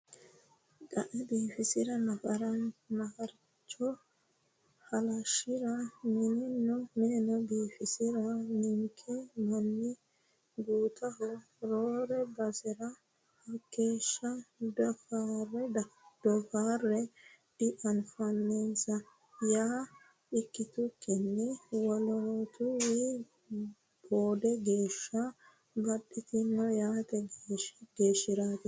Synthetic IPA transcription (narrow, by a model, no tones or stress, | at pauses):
ɡɐʔɛbiːfɪsɪɾɐnɐfɐɾɐnnɐfɐɾ | t͡ʃːɔ | hɐlɐʃɪɾɐnɪnɪnːɔmenɔbiːfɪsɪɾɐnɪŋkʰːɛmɐnːɪ | ɡuːt̪ʰɐɦɔ | ɾoːɾɛbɐsɪɾɐ | hɐkːe̞ːʃːɐd̪ɔfarɛd̪̥ɔfaːrːɛdɪʔɐnfɐnːesɐ | jaː | ɪkːɪt̪ʊkʰːɪnːɛwɔlot̪ʊwi | b̥oːd̪ɛɡe̞ːʃːɐ | bɐɗɪt̪ɪnːɔjaːt̪ɛɡeːʃɡ̥e̞ːʃːɪɾaːt̪ɪ